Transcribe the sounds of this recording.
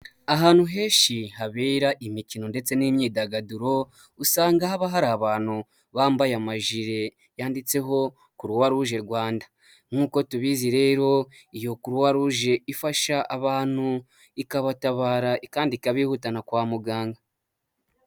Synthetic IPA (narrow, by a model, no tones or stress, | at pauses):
aɦaːnhuɦe̞ːʃiɦaβeɾaʔimicino̞nde̞t͡se̞nimɲiːdaɡaduɾo̞ | usaːŋɡahaβaɦaɾaːβaːn̥hu | βaːmbajamaʒiɾe̞ | jaːndit͡se̞ɦo̞ | kuɾuwaɾuʒe̞ɾɡwaːnda | ŋŋuːko̞tuβiziɾe̞ːɾo̞ | ijo̞kuɾuwaɾuʒe̞ifaʃaʔaβaːn̥hu | ikaβataβaːɾaʔikaːndikaβiːhutanakwaːmuɡaːŋɡa